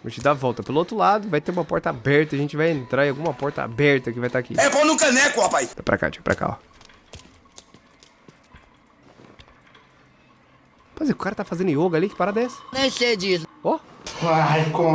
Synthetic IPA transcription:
ʒẽt͡ʃɪd̪avɔwˠt̪ɐpelʊot̪ɾʊlad̪ʊvajt̪eɾũmɐpɔɾt̪ɐabɛɾt̪ɐʒẽnt͡ʃɪvajẽnt̪ɾaiawɡũmɐpɔɾt̪ɐ̰a̰bɛɾt̪ɐkɪvajt̪aakḭɛponũkɐnɛkʊhapajapɾa̰ka̰t͡ʃi̥pɾa̰ka̰a̰ | pazĩʊkaɾɐt̪afazẽnd̪ʊioɡɐalikɪ̥paɾad̪ɛsɐ̥nẽj̃sed͡ʒisʊoakõ

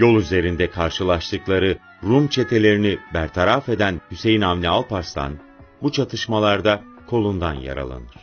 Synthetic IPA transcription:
jo̞lˠyze̞ɾind̪ɛkʰaɾʃɯlˠaʃt̪ʰɯklˠaɾɯ | ɾumt͡ʃʰe̞t̪ʰe̞lʲe̞ɾinibæɾt̪ʰaɾafe̞d̪ænhyse̞jinamlʲialˠpaɾst̪ʰa̰n | but͡ʃʰat̪ʰɯʃmalˠaɾd̪akʰo̞lˠund̪anja̰ɾa̰lˠa̰nɯɾ̥

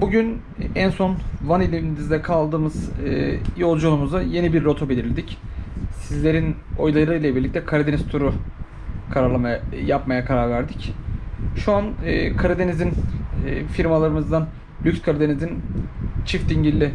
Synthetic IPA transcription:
buɟyn | ænso̞nvanilʲimininizd̪ɛkʰalˠd̪ɯːmɯz̥ɯjo̞lˠd͡ʒunumuzd̪aje̞nibiɾːo̞t̪ʰobelʲiɾilʲd̪icsizlʲe̞ɾin | o̞jlˠaɾɯjlˠabiɾlʲic̚t̪ʰɛkʰaɾad̪enɛst̪ʰuɾʊ | kʰaɾaɾlˠamaajapmajakʰaɾaɾvæɾd̪ic | ʃuanɯːkʰaɾad̪e̞nizinː | fiɾmalˠaɾɯmɯzd̪an | lʲykskʰaɾad̪e̞nizint͡ʃʰift̪iɲɟilʲːɪ

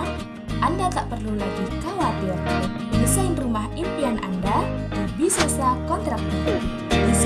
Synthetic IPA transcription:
ʔandat̪aʔpərlulaɡikawat̪ɪr | məsaɪnrumahimpianʔa̰nda | dabisesakɔnt̪ɾak̚t̪ut̪ɪ | bis

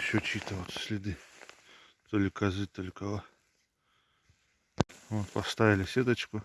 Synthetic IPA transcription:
ɕʲot͡ɕit̪əvot̪sʲlʲɪd̪ɨ | t̪olʲɪkɐzɨt̪olʲɪkɐlˠa | voːt̪pɐst̪avʲɪlʲɪsʲed̪ət͡ɕkʊ

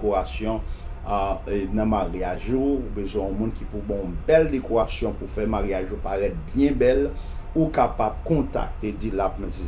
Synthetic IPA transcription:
koasjɔ̃ | nɐ̃maʁiaʒuːbezwɛ̃ɔ̃mũnkipubɔ̃ɔ̃bɛldekoɣasjɔ̃pufɛmaɣiaʒupaɣɛt̪̚bjɛ̃bɛlukapab̚kɔ̃t̪a̰k̚t̪ed͡zilapmɛ̃si

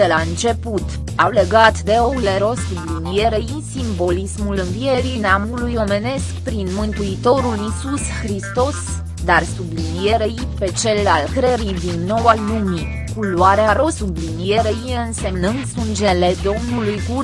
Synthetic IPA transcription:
elaɨnt͡ʃe̞put̪ | awle̞ɡat̪d̪e̞oleɾo̞sublinije̞ɾej | simbo̞lismulɨnvije̞ɾineamulujo̞me̞ne̞skpɾinmɨnt̪uit̪o̞ɾulisusxɾist̪o̞s | d̪arsublinije̞ɾejijpe̞t͡ʃe̞lalkɾeɾid̪inːo̞walumi | kuluaɾeaɾo̞sublinije̞ɾeiɨnse̞mnɨnd̪sund͡ʒe̞le̞d̪o̞mnulujɡu

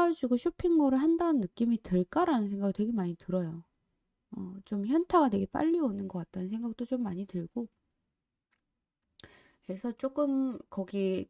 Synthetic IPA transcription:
ad͡ʑuɡoɕʰopʰiŋmʌɾɯɭɦandaɯnːɯk͈imiteɭk͈aɾanɯnsʰe̞ŋɡaɡitwe̞ɡe̞maɲitɯɾʌjo | ʌt͡ɕ͈omçjʌntʰaɡadwe̞ɡe̞p͈a̰ʎːionɯnɡʌk͈at̚t͈anɯnsʰeŋɡak̚t͈ot͡ɕ͈omːaɲitɯɭɡ̥o | ke̞sʰʌt͡ɕ͈ok͈ɯmkʌɡi

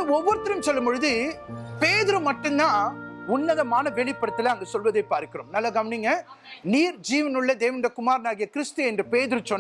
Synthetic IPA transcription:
ɔʋːɔɾɯt̪ːɪɾɯmsɔlːɐmbɔɻɯðɯpeːðɪɾɯmɐʈːɯnd̪ãːʊnːɐðɐmaːnɐʋɛɭɪpːɐɽɐt̪ːɪlɐɐŋɡɐsɔlʋɐðɐɪpːaːɾkːɪɾoːmnɐlːɐɡɐmɐnɪŋɡɐniːɾd͡ʒiːʋɐnɯɭːɐd̪eːʋɐnɾɐkʊmaːɾnaːɣɪjɐkɪɾɪst̪ɯɛndrɯpeːðɪɾɯt͡ʃɔn

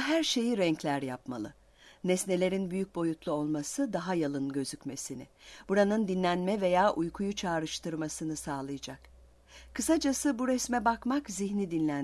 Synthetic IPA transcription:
ɦæɾʃe̞jiɾɛɲclʲæɾjapma̰lˠɯ | nɛsne̞lʲe̞ɾinbyjyc̚bo̞jut̪lˠuo̞lˠmasɯd̪aɦajalˠɯnɟø̞zycme̞sinɪ̰b̥uɾanɯnd̪inlʲænmɛve̞jaːʔujkʰujut͡ʃʰaːɾɯʃt̪ɯɾmasɯnɯsaːlˠɯjad͡ʒak | kʰɯsad͡ʒasɯbuɾɛsmɛbakmakziçnʲid̪inlʲæn

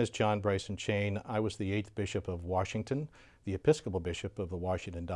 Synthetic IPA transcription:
ɨzd͡ʒɑ̃nbɹeɪsn̩t͡ʃʰẽɪ̃naɪwʌzðieɪt̪θb̥ɪʃɨpʌvwɑʃɪ̃ŋtʰɨ̃n | ðiɨpʰɪskəpl̩ˠbɪʃɨpʌvðəwɑʃɪ̃ŋtɨ̃n̩da

